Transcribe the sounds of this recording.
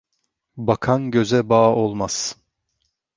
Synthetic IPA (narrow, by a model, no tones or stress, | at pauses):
bakʰanɟø̞zɛbaʔolˠmaz̥